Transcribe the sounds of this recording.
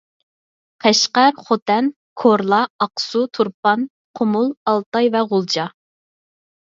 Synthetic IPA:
qʰɛʃqæɾχot̪ʰɛn | kʰoɾlˠɑɑqsut̪ʰuɾp̚ɑn | qʰomulˠɑlˠt̪ɑjvɛʁʊlˠd͡ʒɑ

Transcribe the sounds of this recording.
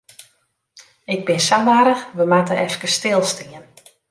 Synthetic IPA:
ɪɡ̚bɪnsaʋaɾəxʋəmatəɛfkəstɪlˠstiən

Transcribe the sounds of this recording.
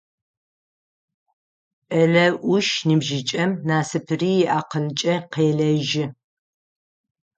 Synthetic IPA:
ʔɐɮɐʔʷʊʃnɨbʒɪt͡ʃʼɐmnaːsɨpʰɨriːjɛʔaːqənt͡ʃʼɐqeːɮɐʒɪ

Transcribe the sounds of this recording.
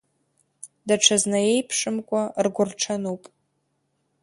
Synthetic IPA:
daʈ͡ʂʰaznaje̞jpʰʂʼɨmkʷʼarɡʷʊrʈ͡ʂʰanupʼ

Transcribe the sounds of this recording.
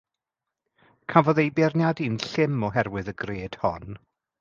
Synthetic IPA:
kʰavɔðejbɛrnjadiːnɬɪmɔɦɛrwɨðəɡreːd̥hɔn

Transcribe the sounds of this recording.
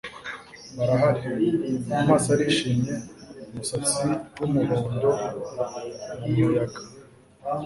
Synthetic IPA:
βaɾaɦaɾi | amaːsaɾiʃimɲe̞umusat͡siwumuɾoːndo̞ | mumujaɡa

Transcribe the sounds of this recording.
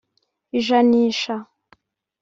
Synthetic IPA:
iʒaniːʃa

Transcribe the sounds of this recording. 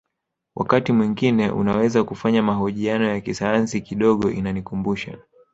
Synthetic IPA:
wʔa̰katimwiŋɡinɛʔṵnawɛzakufaɲamaɦɔʄianɔjakisajansikiɗɔɠɔʔinanikumbuʃa̰

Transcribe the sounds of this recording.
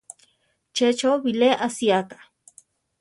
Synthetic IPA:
t͡ʃet͡ʃoβileʔasiakḁ

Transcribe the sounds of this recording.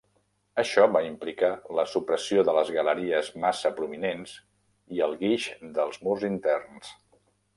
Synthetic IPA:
əʃɔβaimplikaləsupɾəsioðələzɣələɾiəzmasəpɾuminens | iəlˠɣiʃd̪əlˠzmurzint̪ɛrns

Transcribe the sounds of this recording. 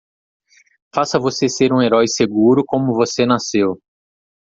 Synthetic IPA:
fasɐvoseseɾũeɾɔjseɡuɾʊkõmʊvosenasew

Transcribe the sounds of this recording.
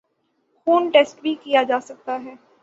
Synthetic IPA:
xuːnʈeːsʈbʱikijad͡ʒaːsɐk̚t̪aɦɛː

